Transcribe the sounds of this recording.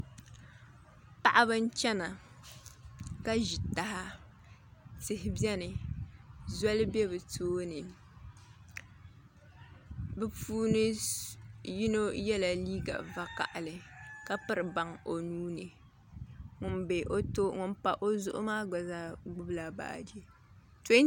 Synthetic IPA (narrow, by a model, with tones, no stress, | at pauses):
pa˨ʔa˦βɨ˦n̩˦t͡ʃɛ˦na˨ | ka˦ʒi˨ta˨˦ɦa˦ | sɨ˨ɦɪ˨bjɛ˦nɨ˨ | za˦lɨ˦bɛ˦bɨ˨toː˦nɨ˨ | bɨ˦puː˦nɨ˦ | ji˦no˦jɛ˦la˨liː˦ɡa̰˨va˨ka̰˨ʔa˨lɨ˨ka˦pɨ˦ɾɨ˨ba˦ŋo˨nuː˦nɨ˨ | ŋʊ˨nbe˨ʔo˦to˦ŋʊ˨npa˨ʔo˦zʊ˦ʔʊ̰˦maː˦ɡ͡ba˨za˦ɡ͡bʊ˦bla˨ba̰ː˨de˦ | te˦